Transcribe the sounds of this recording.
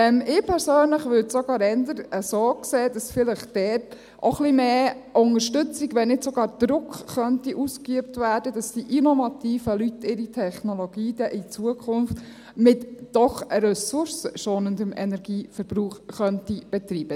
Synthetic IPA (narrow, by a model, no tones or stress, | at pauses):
ɛmɪpʰɛɾsøːnləχʋʏɾdsoɡɑːɾɛndəɾəsoːkseːdɑsfɪləχd̥ɛːt | ʔoχlimeːʔʊŋəɾʃtʏt͡siɡʋɛnnɪdsɔɡɑːɾd̥ɾʊkχχœntiʔuskyəp̚tvæːɾd̥ədɑsd̥iʔinɔvɑtiːfəlytːɪɾitʰɛχnoloɡ̥iːd̥ɛʔit͡suəkʰʊnft | mɪtd̥ɔχɾɛsʊɾsəʃoːnəndəmɛnɛɾɡ̥iːfəɾb̥ɾuːχːœntib̥ɛtɾiːb̥ə